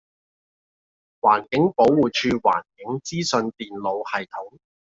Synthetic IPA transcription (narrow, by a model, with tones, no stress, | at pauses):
waː˨˩nkɪ˨˥ŋpo˨˥wwuː˨t͡ʃʰyː˧wa̰ː˨˩nkɪ˨˥ŋt͡siː˥sɵ˧nt̪iː˨nlo˨˧whɐ˨jt̪ʰʊ˨˥ŋ